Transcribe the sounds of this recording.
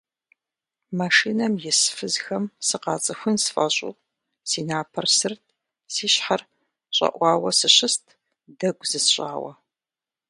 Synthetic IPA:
maʂiːnɐmjɪsfɨzxɐmsɨqɑ̰ːt͡sʼɨxʷʊnsfɐ̰ɕʼʊ̰w | siːnaːpʰɐrsɨrtʰ | siːɕħar | ɕʼɐ̰ʔʷɑːwɐsɨɕɪstʰ | dɐɡʷzɨsɕʼa̰ːwɐ̰

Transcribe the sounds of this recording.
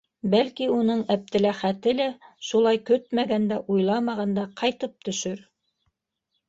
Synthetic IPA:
bælkiunɤɴæp̚t̪ɘ̆læχæt̪ɘlæʃulˠɑjkɵt̪̚mæɡænd̪æʔujlˠɑmɑʁɑnd̪ɑqʰɑjt̪ɤp̚t̪ɵ̆ʃɵɾ

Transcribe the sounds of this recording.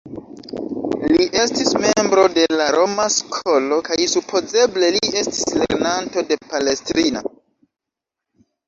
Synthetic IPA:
liʔe̞stisme̞mbɾo̞de̞laɾo̞maskʰo̞lo̞kajsupʰo̞ze̞ble̞lie̞stislḛɾnanto̞de̞pale̞stɾino̰

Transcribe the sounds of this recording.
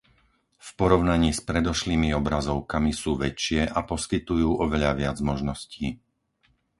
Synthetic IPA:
fpɔɾɔʊnaɲiːspɾɛd̪ɔʃliːmiɔbɾazɔʊkamisuːʋɛt͡ʃɪɛʔapɔskit̪ujuːʔɔʋɛʎaʋɪad͡zmɔʒnɔsciː

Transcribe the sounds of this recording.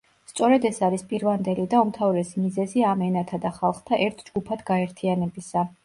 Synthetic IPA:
st̪sʼɔɾɛd̪ɛsaɾispʼiɾvand̪ɛlid̪aumt̪ʰavɾɛsimizɛziamɛnat̪ʰad̪aχalˠχt̪ʰaʔɛɾt̪ʰd͡ʒɡupʰad̪ɡaɛɾt̪ʰianɛbisa

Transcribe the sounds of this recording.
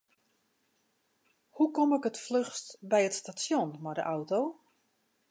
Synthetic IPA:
hukɔmɛkətfløxstbɛjətstasjonmɔdə̰ʔawtow

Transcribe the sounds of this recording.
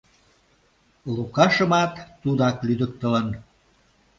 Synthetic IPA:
lukɑʃə̆mɑt̪ːud̪ɑklyd̪ək̚t̪ələn

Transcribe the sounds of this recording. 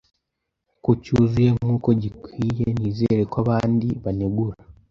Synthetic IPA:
kucuzuje̞ŋuːko̞ɟikwiːjeniːze̞ːɾekaβaːndiβaneɡuɾa

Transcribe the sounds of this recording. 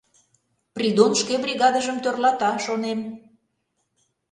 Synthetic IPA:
prʲid̪onʃkebrʲiɣɑd̪əʒəmt̪ørlɑt̪ɑʃonem

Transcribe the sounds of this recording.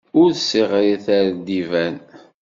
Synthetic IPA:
ʊɾθsiʁɾiθæɾd̪ivæn

